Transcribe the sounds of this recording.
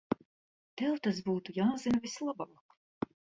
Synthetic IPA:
t̪ɛwt̪as̬buːt̪ujaːzinɐvʲislˠabaːk

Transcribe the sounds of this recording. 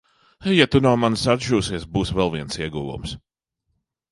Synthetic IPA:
jat̪unawmansad̪ʒuːsiɛsbuːsvɛlˠviɛnsiɛɡuːvṵms

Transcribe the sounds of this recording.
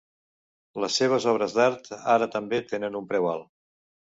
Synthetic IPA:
ləsːeβ̞əzɔβɾəzd̪aɾt̪aɾət̪əmbet̪enənumpɾɛwalˠ

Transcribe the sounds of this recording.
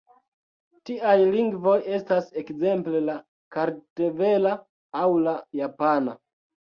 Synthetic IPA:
tiajliŋɡvo̞je̞stase̞kze̞mple̞la | kaɾteve̞la | awlajapana̰

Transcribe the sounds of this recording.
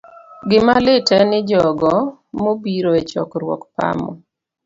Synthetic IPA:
ɡɪmalɪtɛnɪd͡ʒɔɡɔ | mobiɾoet͡ʃɔ̰kɾwɔ̰kpa̰mɔ̰

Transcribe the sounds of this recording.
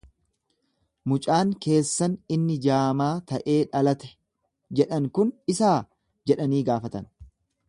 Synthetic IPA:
mʊt͡ʃʼaːŋke̞ːsːɐnɪnːɪd͡ʒaːmaːt̪ɐʔe̞ːᶑɐlɐt̪ɛ̥ | d͡ʒɛᶑɐŋkʊnɪsaː | d͡ʒɛᶑɐniːɡaːfɐt̪ɐn

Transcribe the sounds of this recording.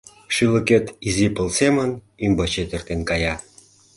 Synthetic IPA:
ʃylə̆ket̪izipəlsemən | ymbɑt͡ɕet̪ə̆rt̪enkɑjɑ

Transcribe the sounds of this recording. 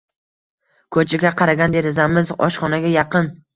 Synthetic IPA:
kʰɵt͡ʃʰaɡʲaqʰɑɾaɡʲand̪e̞ɾɪzamɪzɒ̰ʃχɒnaɡʲajɑqʰɨn

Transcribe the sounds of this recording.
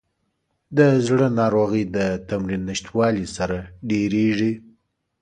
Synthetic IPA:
d̪əzɽənɑɾoɣəjd̪ət̪amɾinːɪʃt̪wɑlisaɾaɖeɾeʐi

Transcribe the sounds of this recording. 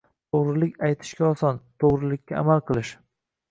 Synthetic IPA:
t̪ʰoʁɾɪlɪkʲajt̪ʰɪ̥ʃkʲaɒsɒnt̪ʰoʁɾɪlɪkʲːaa̰malˠqʰɨlˠɪʃ

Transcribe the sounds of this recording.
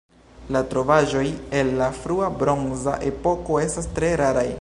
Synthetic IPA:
latɾo̞vaʒo̞je̞lːafɾuabɾo̞ŋza̰ʔe̞po̞ko̞e̞stastɾe̞ɾaɾaj

